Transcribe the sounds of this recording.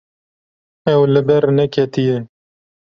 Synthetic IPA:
ɛwlɨbɛɾnɛkʰɛt̪ijɛ

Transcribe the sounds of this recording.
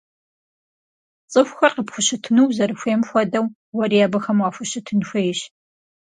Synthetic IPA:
t͡sʼɨxʷxʷɐqəpxʷʊɕɨtʰɨnuwzɐɾɨxʷeːmxʷɔdɐw | wɐriaːbɐxɐmwaːfʷʊɕɨtʰɨnxʷejɪɕ

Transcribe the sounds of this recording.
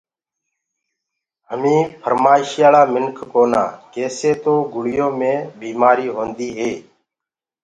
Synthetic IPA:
ɦəmĩːpʰəɾmaːɪʃjaːlaːmɪnkʰkoːna̰ːkeːseːt̪oːɡʊɽɪjõːmẽːbiːmaːɾiːɦõːnd̪iːɦeː

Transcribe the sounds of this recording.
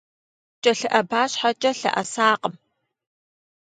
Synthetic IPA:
t͡ʃʼɐɬɨʔɐbaːɕħat͡ʃʼɐɬɐ̰ʔɐsaːqəm

